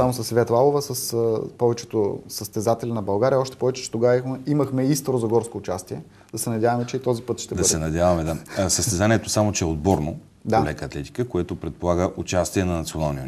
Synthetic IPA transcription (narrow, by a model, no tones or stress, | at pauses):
samosɐsvɛt̪lalˠovəsɐspɔvɛt͡ʃɛt̪osəst̪ɛzat̪ɛlʲɛnɐbɐlˠɡaɾʲijəɔʃt̪ɛ̥pɔvɛt͡ʃɛ̥t͡ʃɛ̥t̪oɡaxɛimɐxmɛist̪ɾozɐɡɔɾskoːt͡ʃast̪iɛ | d̪ɐsɛnɐdʲjavɐmɛt͡ʃɛit̪ɔzipɤt̪ʃt̪ɛbd̪ɐd̪sɛnɐd̪javɐmɛd̪asəst̪ɛzaniɛt̪osamot͡ʃɛɛod̪bɔɾno | d̪aolɛkəɐt̪lɛt̪i̥kəkoɛt̪opɾɛt̪̚polˠaɡəʔut͡ʃast̪iɛnɐnɐt̪sionalˠnijo